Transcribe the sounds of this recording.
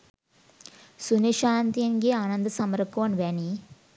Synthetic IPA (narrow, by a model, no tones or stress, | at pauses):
suniʃaːnt̪ijɐŋɡeaːnɐnd̪ɐsɐmɐɾkoʋɐnʋeːni